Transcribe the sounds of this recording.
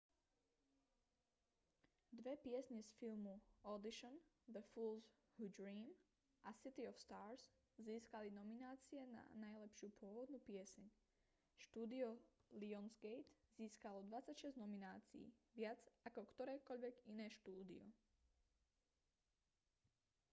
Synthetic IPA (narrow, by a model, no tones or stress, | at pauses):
d̪ʋɛpɪɛsɲɛsfilmuɔd̪iʃɔn | d̪əfuːlz | hudɾiːm | ʔasit̪iɔfst̪aːɾz | ziːskalinɔminaːt͡siɛna̰najlɛpʃɪupʊɔʋɔd̪nupɪɛsɛɲ | ʃt̪uːd̪iɔliɔnzɡɛjt̪ziːskalɔd̪ʋat͡sacʃɛznɔminaːt͡sḭḭːʋɪad͡zakɔkt̪ɔɾɛːkɔʎʋɛɡinɛːʃt̪uːd̪ḭɔ̰